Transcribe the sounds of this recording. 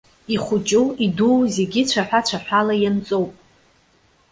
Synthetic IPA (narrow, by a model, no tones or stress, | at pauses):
iχʷʊt͡ʃʼuiduwze̞ɡʲit͡ɕʷʰaħʷᶣat͡ɕʷʰaħʷᶣalajant͡sʼowpʼ